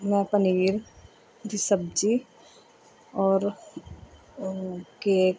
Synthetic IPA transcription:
mɛ̃pəniːɾ | d̪isəb̚d͡ʒi | ɔːɾ | ke

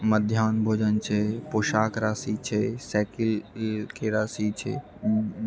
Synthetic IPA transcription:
məd̪ʱjaːnbʱoːd͡ʒənt͡ʃʰepoːʃaːkɾaːsit͡ʃʰesɛːkɪlkeɾaːsit͡ʃʰḛ

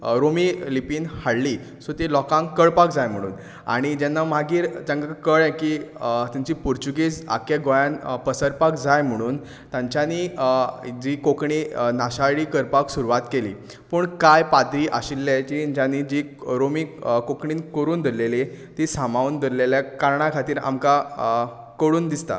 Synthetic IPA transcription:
ɾomilipiːnhaɽli | sot̪ilɔkãŋkəɭpakd͡zajm̤əɽ̃ṵːn | a̰ɽ̃id͡ʑɛnːamaɡiːɾd͡zãŋɡakəɭɛ̃kit̪aɲt͡ɕipuɾt͡ɕuɡit͡sa̰kjeɡojanpəsəɾpakd͡zajm̤əɽ̃uːn | t̪jãɲt͡ɕani | d͡ʑiːkokɳinaɕaɭiːkəɾpaksuɾuʋat̪kelḭː | pəːɳkajpad̪ɾiːʔaɕilːɛt͡ɕiɲd͡ʑjãnid͡ʑi | ɾomikokɳiːnkəɾuːnd̪əɾlelet̪isamaund̪əɾleljakaɾɳakʰat̪iːɾa̰mka | kəɽuːnd̪ist̪a̰

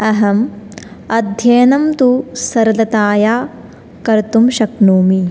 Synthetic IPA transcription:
ɐɦɐm | ɐd̪ʱjeːnɐmt̪usɐɾɐlɐt̪aːjaː | kɐɾt̪umʃɐknuːmi

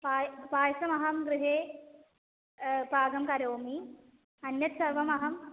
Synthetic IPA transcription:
paːjpaːjsɐmɐɦɐmɡɾuɦeː | paːɡɐmkɐɾoːmi | ɐnjɐt̪sɐɾʋɐmɐɦɐm

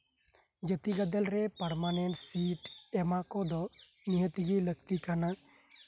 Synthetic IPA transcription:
d͡ʒət̪iɡad̪ɛlɾɛpəɾmaneɳʈsiʈɛmakɔd̪ɔ | niɦət̪iɡilək̚t̪ikana

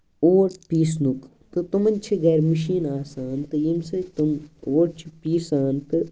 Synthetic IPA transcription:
oːʈpiːsnuk | t̪ɨt̪umɐnʲt͡ʃʰiɡeːɾməʃiːnaːsaːnt̪ɨjimsɐt̪umoːʈ̚t͡ʃʰipiːsaːnt̪ɨ

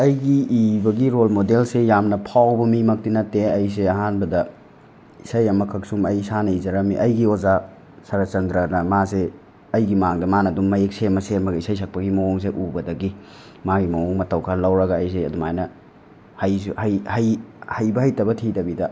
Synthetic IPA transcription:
ɐjɡiibɐɡiɾolmodelsejamnɐpʰawbɐmimɐk̚tinɐtːeɐjs̬eɐɦanbɐdɐ | isɐjɐmɐkʰɐksumɐjsanɐizɐɾɐmiʔɐjɡioza | sɐɾɐt͡ʃɐndɾɐnɐmase | ɐjɡimaŋdɐmanɐdumːɐjeksemɐseɐmɐɡɐisɐjsʰɐk̚pɐɡimɐoŋs̬eʔubɐdɐɡi | maɡimɐwoŋmɐtɐwkʰɐllɐwɾɐɡɐːjs̬eɐ̰dumajnɐ | hɐjshɐjhɐjhɐjbɐhɐjtɐbɐtʰitɐbidɐ

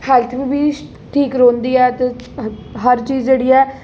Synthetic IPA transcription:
pʰɛːlt̪ʰʋiːbiː | ʈʰiːkɾõːnd̪iːɛːt̪e | ɦəɾt͡ʃiːzd͡ʒeːɽiːɛː

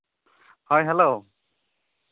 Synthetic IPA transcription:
hɔjɦɛlo

